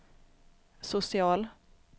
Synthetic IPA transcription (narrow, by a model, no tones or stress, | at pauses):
sʊsɪɑːl